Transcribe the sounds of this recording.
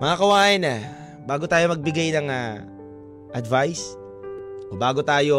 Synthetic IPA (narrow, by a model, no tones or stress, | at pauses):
mɐŋakɐwaːʔɪna | baːɡot̪aːjo̞mɐɡ̚bɪɡajnɐŋa | ʔɐd̪vajs | ʔobaːɡot̪aːjo